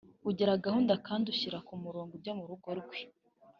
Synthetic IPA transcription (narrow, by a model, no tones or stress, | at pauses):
uɟeɾaɡahuːndakaːnduɕiɾakumuɾoːŋɡubɟomuɾuɡo̞ɾɡwe